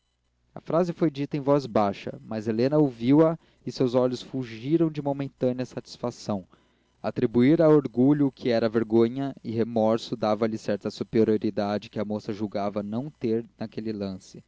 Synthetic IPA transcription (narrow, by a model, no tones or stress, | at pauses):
ɐ̰fɾazɪfojd͡ʒit̪ɐẽj̃vɔzbaʃɐ̰mɐzelẽnɐowviwɐ | ɪsewzɔʎʊsfuʒiɾɐ̃w̃d͡ʒɪmomẽnt̪ɐ̃nɪɐsat͡ʃi̥sfasɐ̃w̃ | at̪ɾibuiɾawoɾɡuʎʊːkʰɪɛɾɐveɾɡõɲɐɪhemɔɾsʊd̪avɐlɪsɛɾt̪ɐsupeɾioɾid̪ad͡ʒɪkɪɐmosɐʒuwɡavɐnɐ̃w̃t̪eɾnakelɪlɐ̃sɪ